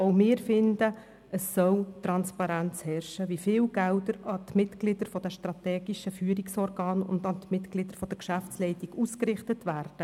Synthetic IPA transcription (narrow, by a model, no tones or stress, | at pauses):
oʊmɪːɾfɪndə | əsːœlt̪rɑnspɑɾænt͡shɛrʃəʋifɪːlɡ̥ældəɾɑt̪mɪtɡlɪd̥əɾfɔd̥̪ɛʃtɾɑt̪ɛːɡiʃəfyːɾiksɔrɡɑːnʊ̰ndɑtmɪtɡ̥lɪd̥̪əɾfɔd̥̪əɾkʃæft͡slɛɪtiɡ̥uskrɪχtətvæːrd̥ə